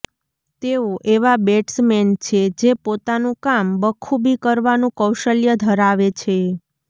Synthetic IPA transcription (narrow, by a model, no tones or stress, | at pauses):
t̪eoʔeʋabeʈsmɛnt͡ʃʰed͡ʒepot̪anũkambəkʰũbʱikəɾʋanũkəwʃəljəd̪ʱəɾaʋet͡ʃʰe